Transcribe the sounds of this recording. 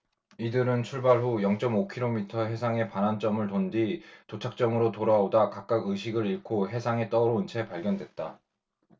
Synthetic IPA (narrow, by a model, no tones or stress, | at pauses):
idɯɾɯnt͡ɕʰuɭbaɭɸujʌŋt͡ɕ͈ʌmokʰiɾomitʰʌɦe̞sʰaŋe̞panant͡ɕ͈ʌmɯɭtonditot͡ɕʰak̚t͡ɕ͈ʌmɯɾotoɾaodakak̚k͈aɡɯɕʰiɡɯɾiɭkʰoɦe̞sʰaŋe̞t͈ʌɾoɯnt͡ɕʰe̞paɭɡjʌndwe̞t̚t͈a̰